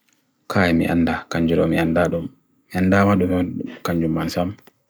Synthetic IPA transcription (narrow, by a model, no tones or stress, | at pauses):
kʰajɛmḭʔandakaɲd͡ʒuɾɔmiandaɗum | miandamaɗumiaɗukaɲd͡ʒumːansam